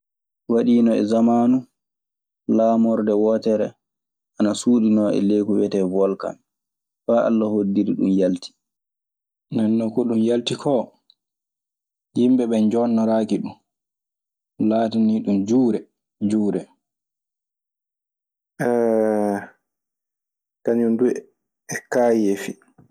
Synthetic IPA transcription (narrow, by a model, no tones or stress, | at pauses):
waɗiːnɔɛ̰zamaːnu | laːmɔɾdɛwɔːtɛɾɛ | ʔanasuːɗinɔɛ̰lekuwɛtɛvɔlka̰m | faʔa̰lːahodːiɾiɗṵmjaltʰi̥ | nɛnːɔkɔɗumjaltikʰɔ | jimɓɛɓɛnd͡ʒɔnːɔɾaːkiɗum | laːtaniɗumd͡ʒuːɾɛ | d͡ʒuːɾɛ | ʔɛ | kaɲundu | ɛkaːjefi